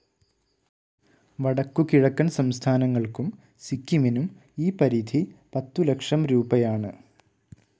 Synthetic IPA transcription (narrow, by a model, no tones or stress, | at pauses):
ʋɐɽɐkːukiɻɐkːɐnsɐmst̪ʰaːnɐŋːɐɭkum | sikʲːiminum | iːpɐɾiːd̪ʱipɐt̪ːulɐkʂɐmɾuːbɐjaːɳɨ